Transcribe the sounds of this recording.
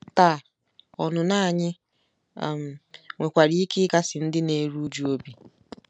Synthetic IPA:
ta˦˨ | ɔ˨nʊ˨na˦˨ɲɪ̰˦˨ | m̩˨ŋʷe˨kʷa˨ɾi˦i˦kɪ˦ka˦sɪ˨n̩˦dɪ˦ne˨˦ɾu˦d͡ʒu˦o˦bi˨

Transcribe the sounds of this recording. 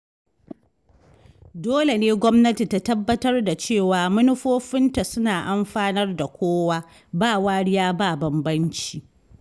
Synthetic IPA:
doː˦le˨neː˦ɡʷɔ˦mnɐ˦ti˨ta˦tɐ˦bːɐ˦tɐ˦rda˨t͡ʃeː˦˨waː˨mʊ˦nʊ˦ɸoː˦ɸɪ˦nta˨sʊ˦naː˨ʔa˦mɸaː˦nɐ˦rda˨kʷʰoː˦waː˦ | baː˦˨waː˦ɽɪ˦jaː˦baː˦˨bɐ˨mbɐ˦nt͡ʃiː˨

